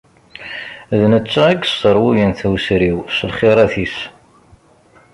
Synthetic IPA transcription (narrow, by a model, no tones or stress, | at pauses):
ðnət͡sːææɡsəɾˤwujænθæwsɾiwsəlχiɾˤæθis